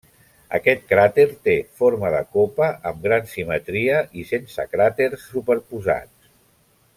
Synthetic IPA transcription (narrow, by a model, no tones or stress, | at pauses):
ə̰kɛt̪̚kɾat̪eɾt̪efoɾməðə̰kopəʔəmɡɾansimət̪ɾiəʔisensə̰kɾat̪eɾsːupəɾpuza̰t͡s